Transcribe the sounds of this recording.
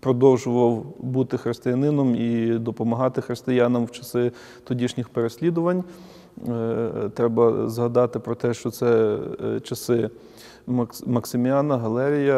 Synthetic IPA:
pɾɔd̪ɔwʒʊʋɐwbut̪ɪxɾɪst̪ɪjɐnɪnɔmid̪ɔpɔmɐɦɑt̪ɪxɾɪst̪ɪjɑnɐmwt͡ʃɐ̥sɪ | t̪ɔdʲiʃnʲɪxpeɾesʲlʲid̪ʊʋɐnʲ | t̪ɾɛbɐzɦɐd̪ɑt̪ɪpɾɔt̪ɛʃt͡ʃɔt̪sɛ | t͡ʃɐsɪ | mmɐksɪmʲjɑnɐɦɐlˠɛɾʲijɐ

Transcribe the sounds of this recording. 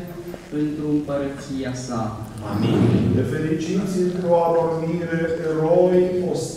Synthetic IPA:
ent̪ɾuɨmpəɾət̪sijasa | a̰id̪efe̞lit͡ʃit̪sʲɨnt̪ɾoavormiɾeɾojos

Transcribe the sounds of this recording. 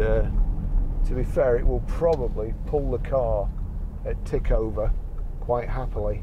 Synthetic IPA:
ə | tʰəbifɛːɹɪʔwɪlˠpʰɹ̥ɒbəblipʰʊlˠðəkʰɑː | ətʰɪkʰoʊvə | kʰw̥aɪʔhapəlˠi

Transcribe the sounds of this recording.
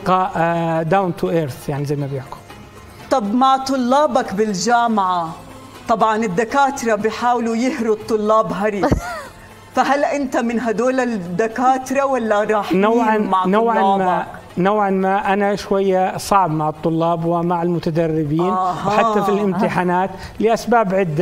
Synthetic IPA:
qɑʔd̪awnt̪uʔeːɾθjaʕnizajmabjɪʕkʊ̥l | t̪ˤɑbmaʕt̪ˤʊlːɑːbakbɪld͡ʒaːmʕa | t̪ˤɑbʕɑnɪd̪ːakaːt̪ɾˤɑbɪjħaːwlujɪhɾʊt̪ˤːʊlːɑːbɦɑɾˤiːs | faɦalːʔɪnt̪amɪnɦad̪oːlad̪ːakaːt̪ɾˤɑwalːaɾˤɑːħnawʕanmaʕnawʕanːma | nawʕanmaːʔanaʃwajːasˤɑʕbmaʕɨt̪ˤːʊlːɑːbwɪmaʕɪlmʊt̪ad̪ɑrːɪbiːnahħat̪ːafilʔɪmt̪ɪħaːnaːt̪ | lɪʔasbaːbʕɪd̪ːa

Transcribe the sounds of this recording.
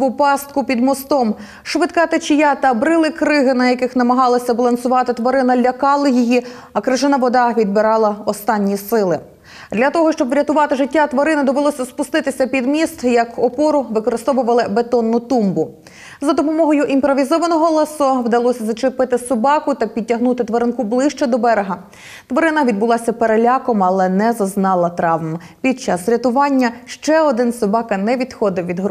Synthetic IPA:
ʊpɑst̪̚kʊpʲid̪mɔst̪ɔm | ʃʋɪt̪kɑt̪et͡ʃɪjat̪ɐbɾɪlˠɪkɾɪɦɪnɐjɐkɪxnɐmɐɦɑlˠɐsʲɐbɐlˠɐnsʊʋɑt̪ɪt̪ʋɐɾɪnɐlʲɐkɑlˠɐjiji | ɐkɾɪʒɪnɐʋɔd̪ɑʋʲid̪̚bɪɾɑlˠɐɔst̪ɑnʲːisɪlˠɪ | d̪lʲɐt̪ɔɦɔʃt͡ʃɔbʋɾʲɐt̪ʊʋɑt̪ɪʒɪtʲːat̪ʋɐɾɪnɪd̪ɔʋelˠɔsʲɐspʊst̪ɪt̪ɪsʲɐpʲid̪mʲist̪jɐkɔpɔɾʊʋɪkɔɾɪst̪ɔʋʊʋɐlˠɪbet̪ɔnːʊt̪umbʊ | zɐd̪ɔpɔmɔɦɔjʊʔimpɾɔʋʲizɔʋɐnɔɦɔlˠesɔwd̪ɐlˠɔsʲɐzɐt͡ʃɪpɪt̪ɪsɔbɑkʊt̪ɐpʲid̚ʲːɐɦnut̪ɪt̪ʋɔɾɪnkublˠɪʃt͡ʃɛd̪ɔbɛɾeɦɐ | t̪ʋɔɾɪnɐʋʲid̪bʊlˠɑsʲɐpeɾelʲɑkɔmɐlˠɛnɛzɐznɑlˠɐt̪ɾɑʋm | pʲid̪̚t͡ʃɑsɾʲɐt̪ʊʋɑnʲːɐʃt͡ʃɛɔd̪ɪnsɔbɑkɐnɛʋʲid̪xɔd̪ɪwʋʲid̪ɦ

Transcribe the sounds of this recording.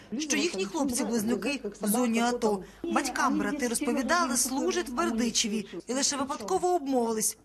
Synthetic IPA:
ʃt͡ʃɔjixnʲixlˠɔp̚t͡sʲibʊlˠɪznʊkɪwzɔnʲiɐt̪ɔ | bɐtʲkɑmbɾɐt̪ɪɾɔspɔʋʲid̪ɑlˠɪslˠuʒɐtʲwʋerd̪ɪt͡ʃiʋʲiilˠɪʃɛʋɪpɐd̪kɔʋɔːbmɔʋɪlˠɪsʲ

